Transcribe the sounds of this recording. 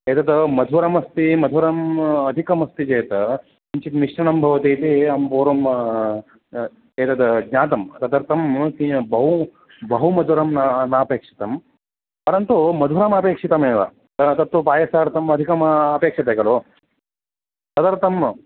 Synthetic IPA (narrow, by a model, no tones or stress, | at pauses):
eːt̪ɐt̪ɐmɐd̪ʱuɾɐmɐst̪imɐd̪ʱuɾɐmɐd̪ʱikɐmɐst̪id͡ʒeːt̪ɐ | iɲt͡ʃit̪miʂnɐnɐmbʱɐʋɐt̪iːt̪iɐmpoːɾɐm | eːt̪ɐt̪ɡɲʲaːt̪ɐmɐt̪ɐd̪ɐɾt̪ɐmkibɐɦu | bɐɦumɐd̪ʱuɾɐmnɐnaːpeːkʂi̥t̪ɐm | pɐɾɐnt̪umɐd̪ʱuɾɐmɐpeːkʂit̪ɐmeːʋa̰ | t̪ɐt̪ɐt̪ːupaːjɐsaːɾt̪ɐmɐd̪ʱikɐmɐpeːkʂɐt̪ɐɡɐloː | t̪ɐd̪ɐɾt̪ɐm